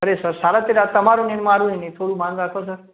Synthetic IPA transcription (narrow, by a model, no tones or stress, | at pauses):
ɦəɾesəɾsaːɽat̪eɾat̪ɐmaɾonɪnmaːɽũĩnĩt̪ʰoːɽumãːnɾaːkʰos̬əɾ